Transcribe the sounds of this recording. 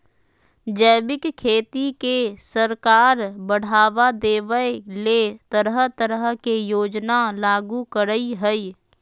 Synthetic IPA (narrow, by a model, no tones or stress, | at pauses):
d͡ʒəːbɪkkʰeːt̪ikesəɾkaːɾbəɽ̤aːʋad̪eːʋəelet̪əɾəɦt̪əɾəɦkejoːd͡ʒnalaːɡukəɾəiɦəi